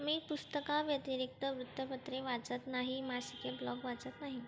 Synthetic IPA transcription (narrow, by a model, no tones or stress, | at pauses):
miːpust̪əkaʋjət̪iɾik̚t̪əʋɾut̪ːəpət̪ɾeʋat͡sət̪naɦimasikeblɔɡʋat͡sət̪naɦi